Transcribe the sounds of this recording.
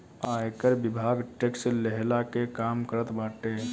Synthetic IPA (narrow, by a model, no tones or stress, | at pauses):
aekəɾbibʱaɡʈekseleɦlakekamkəɾət̪baʈe